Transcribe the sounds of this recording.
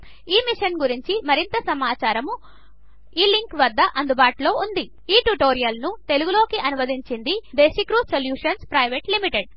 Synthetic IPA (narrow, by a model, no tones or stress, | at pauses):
iːmiʂɐnɡuɾiɲt͡ʃimɐɾint̪ɐsɐmaːt͡ʃaːɾɐmu | iːliŋkʋɐd̪ːɐʔɐnd̪ubaːʈlo̞ːund̪i | iːʈuʈoːɾijɐlnut̪e̞luɡulo̞ːkiʔɐnuʋɐd̪ʱiɲt͡ʃind̪id̪eːʃɐkɾusoljuːʂɐnspɾɐjʋeːʈlimiʈeɖ